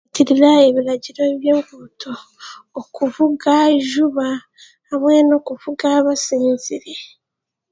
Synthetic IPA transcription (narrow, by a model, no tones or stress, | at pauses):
tiɾiɾae̞βiɾaɟiɾo̞βje̞ːŋɡutʰo̞ː | kuvuɡaʒuβaː | βwe̞ːno̞ːkuvuɡaːβasiːnziɾe̞